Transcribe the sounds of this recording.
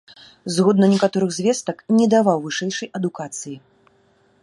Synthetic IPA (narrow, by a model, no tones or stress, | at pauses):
zɣɔd̪nɐnʲɛkat̪ɔɾɨɣzʲvʲɛst̪ɐknʲɛd̪avawvɨʂɛjʂɐjɐd̪ukat̪sɨji